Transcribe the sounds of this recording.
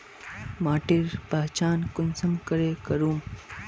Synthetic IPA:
maːʈiɾpɐɦt͡ʃaːnkʊnsɐmkɐɾeːkɐɾuːm

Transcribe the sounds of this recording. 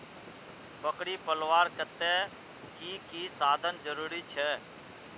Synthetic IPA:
bəkɽiːpəlʋaːɾkət̪ɛ | kiːkiːsaːd̪ʱənd͡ʒəɾuːɾiːt͡ʃʰɛː

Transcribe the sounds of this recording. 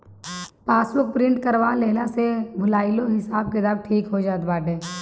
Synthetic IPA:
paːswʊɾk̚pɾɪ̃ɳʈkəɾʋaːleːlasebʱʊlaːiloɦɪsaːb̚ked̪əbʈʰiːkɦod͡ʒaːt̪baːʈeː

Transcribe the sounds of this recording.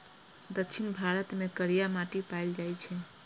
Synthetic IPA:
d̪əkːt͡ʃʰinbʱaɾət̪mekəɾijamaʈipajld͡ʒajt͡ʃʰɛ

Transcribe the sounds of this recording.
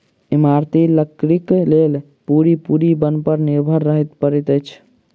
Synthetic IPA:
imaɾt̪iləkɾiklel | puɾipuɾibənpəɾniɾbʱəɾːəɦɛt̪pəɾɛt̪əjt͡ʃʰ

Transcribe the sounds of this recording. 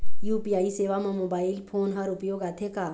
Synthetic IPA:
juːpiaːiseːʋamãmoːbaːɪlpʰoːnɦəɾʊpjoːɡaːt̪ʰekaː

